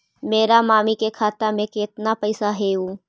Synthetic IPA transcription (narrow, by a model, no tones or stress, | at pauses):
meːɾamaːmikekʰaːt̪amẽkeːt̪napɐɪsaɦeːɦũː